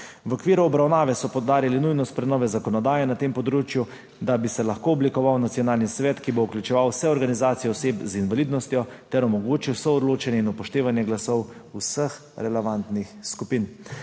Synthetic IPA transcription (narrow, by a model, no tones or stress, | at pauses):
wɔkʋiːɾuɔbɾawnaːʋɛsɔpɔwd̪aːɾilinujnɔst̪pɾɛnɔːʋɛzakɔnɔd̪aːjɛnat̪empɔd̪ɾoːt͡ʃju | d̪abisɛlaxkoːɔblikɔʋawnat̪sijɔnaːlnisʋɛːt̪kibouklʲjut͡ʃɛʋawsɛɔɾɡanizaːt̪sijɛɔseːpzinʋaliːd̪nɔst̪jɔt̪ɛɾɔmɔɡoːt͡ʃiwsɔɔd̪loːt͡ʃɛnjɛinupɔʃt̪eːʋanjɛɡlasɔwusəx | ɾɛlɛʋant̪nixskupin